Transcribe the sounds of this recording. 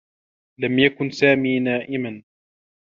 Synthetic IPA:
lamjakʊnsaːmiːnaːʔɪman

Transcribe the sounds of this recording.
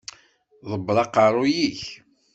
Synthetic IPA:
ðˤəbːlˤɑqːɑɾˤʊjiç

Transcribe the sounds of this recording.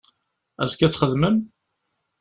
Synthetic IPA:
æ̰zkæt͡sːχəðməm

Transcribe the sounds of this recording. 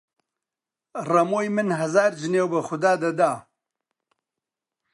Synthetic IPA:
rɐmoːjmɨnɦɐzaːɾd͡ʒɨneːwbɐxʊd̪aːd̪ɐd̪aː

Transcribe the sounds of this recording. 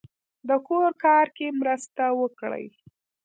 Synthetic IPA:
d̪əkoɾkɑɾkemɾəst̪awəkɽə̰j

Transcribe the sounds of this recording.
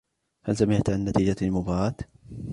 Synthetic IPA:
hals̬amɪʕt̪ʕanːat̪iːd͡ʒalmʊbaːʕaːt̪

